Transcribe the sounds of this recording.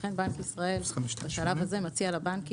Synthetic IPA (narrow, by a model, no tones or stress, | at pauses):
χe̞nbankisʁae̞lbaʃalavhazemat͡sialabank